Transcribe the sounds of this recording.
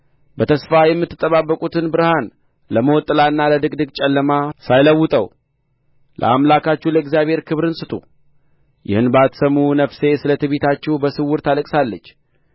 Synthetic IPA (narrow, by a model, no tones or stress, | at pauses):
bət̪ʰəsfajɛmːɨt̪ːɨ̥t̪ʼːəβabːəkʼut̪ʰɨnbɨɾɨhan | ləməwɔt̪ʼɨlaɨnːaləd̪ɨkʼd̪ɨkt͡ʃʼɛlːəmasajləwːʊt̪ʼəw | lʔə̰a̰mlakat͡ʃːuləɪɡzijaβhe̞ɾkʰɨβɾɨnsɨt̪ʰʼṵ | jɪ̰hɨnbəat̪səmːunəfse̞sɨlət̪ʰəβet̪ʰat͡ʃːɛhbəsɨwːʊɾt̪ʰaləkʼsalːət͡ʃː